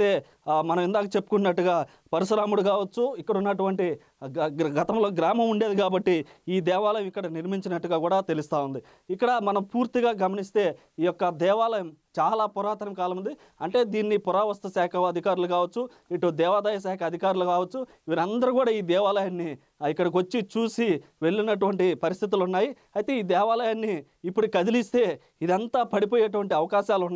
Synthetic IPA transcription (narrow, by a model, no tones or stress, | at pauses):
eː | mɐnɐmind̪aːkɐt͡ʃe̞pːukunːɐʈːuɡaː | pɐɾiʂɾaːmuɽukaːʋɐt͡ʃːuikːɐɽunːɐʈuʋɐɳʈi | ɡɐt̪ɐmlo̞ːɡɾaːmɐmuɳɖe̞ːd̪ikaːbɐʈːiiːd̪ɛːʋaːlɐjɐmikːɐɽɐniɾmiɲt͡ʃinɐʈːuɡaːkuːɽaːt̪elust̪aːund̪i | ikːɐɽɐmɐnɐmpuːɾt̪iɡaːɡɐmɐnist̪e̞ː | iːjɔkːɐd̪ɛːʋaːlɐjɐmt͡ʃaːlaːpɔɾaːt̪ɐɾɐmkaːlɐmund̪i | ɐɳʈe̞ːd̪iːnːipʊɾaːʋɐst̪ɐsaːkʰɐɐd̪ʱikaːɾulukaːʋɐt͡ʃːu | iʈːud̪ɛːʋaːd̪ɐjɐs̬aːkʰɐɐd̪ʱikaːɾulukaːʋɐt͡ʃːu | ʋiːɾɐnd̪ɐɾukuːɽaːiːd̪ɛːʋaːlɐjaːnːi | ikːɐɽɐk̬ʋot͡ʃːit͡ʃuːsiʋe̞ɭːinɐʈ̬uʋɐɳʈipɐɾis̬t̪ʰit̪̬ulunːaːji | ɐjit̪e̞ːiːd̪ɛːʋaːlɐjaːnːiː | pːuɽukɐd̪ilist̪e̞ː | id̪ɐnt̪aːpɐɽip̬oːjeːʈ̬uʋɐɳʈiɐʋɐkaːʃaːlunː